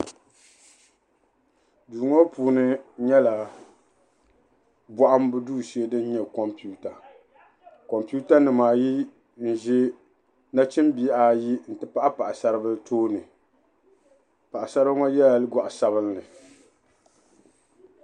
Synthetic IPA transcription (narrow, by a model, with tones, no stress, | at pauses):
duː˨ŋo˦puː˨˦nɨ˦ɲɛ˦la˨ | bɔ˦ʔa˦m˦bɨ˦duː˦˨si˦e˦dɨ˦n˦ɲɛ˦kɔ˨mpi˦u˦ta˨ | kɔ˨mpi˦u˦ta˦nɨ˨maː˨ji˦ | n̩˨ʒɪ˦ | na˦t͡ʃɪ˦mbi˨˦˨ʔa˨ji˦n̩˨tɨ˦pa˦ʔa˦pa˨ʔa˨sa˦ɾɨ˦bɨ˦ltʰoː˦nɨ˨ | pa˨ʔa˨sa˦ɾɨ˦bŋɔ˦jɛ˦la˨lɨ˦ɡɔ˨ʔa˨sa˦βɨ˦nːɨ˨